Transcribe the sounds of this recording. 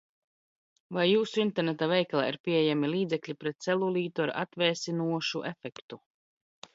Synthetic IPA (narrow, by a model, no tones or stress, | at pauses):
vajːuːsuint̪ɛɾnɛt̪avɛjklˠa̰ːḭɾpʲiɛjamilˠiːd̪zɛklʲipɾɛt̪sɛlˠulˠʲiːt̪uaɾa̰t̪vʲɛːsʲinuɔʃuʔɛfɛkt̪u